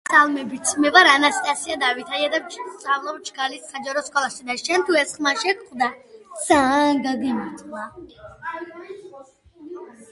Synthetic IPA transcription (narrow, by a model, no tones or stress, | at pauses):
salˠmɛbit̪sʰmɛvaɾanast̪ʼasiad̪avit̪ʰajad̪at̪sʼavlˠad͡ʒɡalisːad͡ʒaɾɔskʼɔlˠaʃid̪aʃɛnt̪ʰuɛsχmaʃɛkʰʼχvd̪ad̪z̥aːnɡaɡimit̪ʼχʼwa